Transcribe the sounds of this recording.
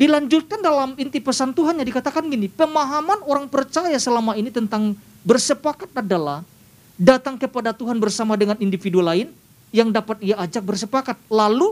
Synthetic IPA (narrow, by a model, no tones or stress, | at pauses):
dilaɲd͡ʒut̪̚kandalamint̪ipəsant̪uɦanɲadikat̪akanɡinipəmaɦamanoɾaŋpərt͡ʃajasəlamainit̪ənt̪aŋ | bərsəpakat̪̚adalah | dat̪aŋkəpadat̪uɦanbərsamadəŋanindifidulaɪn | jaŋdapat̪̚iaːd͡ʒak̚bərsəpakat̪̚lalu